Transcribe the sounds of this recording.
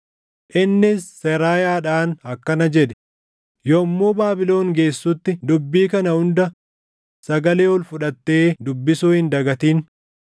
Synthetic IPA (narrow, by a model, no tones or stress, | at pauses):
ʔɪnːɪsːɛɾaːjaːᶑaːnɐkːɐnɐd͡ʒɛᶑɛ̥ | jɔmːoːbaːbɪlo̞ːŋɡe̞ːsːʊt̪ːɪd̪ʊbːiːkɐnɐhʊnd̪ɐ | sɐɡɐleːɔlfʊᶑɐt̪ːe̞ːd̪ʊbːɪsuːhɪnd̪ɐɡɐt̪iːn